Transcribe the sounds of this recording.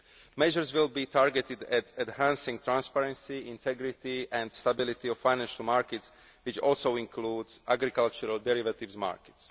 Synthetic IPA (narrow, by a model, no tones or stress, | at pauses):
mɛʒəɹzʋilˠbiːt̪ʰaɹɡɛt̪ɪd̪ɛtɛd̪hãnsĩŋt̪ɾãnspaɾɛ̃nsiɪ̃nt̪ʰɛɡɾɪt̪iʔɛ̃nd̪st̪abilit̪iɔffajnɛ̃nʃalmaɹkɛts | ʋɪt͡ʃɔlsoʊĩŋkʰluːdzʔaɡɾikalt͡ʃuɾald̪ɛɾivat̪ɪʋzma̰ːɹkɛ̥ts